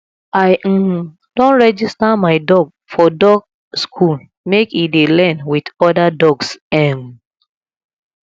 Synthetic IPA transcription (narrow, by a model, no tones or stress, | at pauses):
aɪ | d̥ɔ̃nɹɛd͡ʒistamaɪdɔɡ̚ | fɔdɔɡ̚ | skʰul | mekidelɛ̃nwidɔdadɔɡsɛ̃m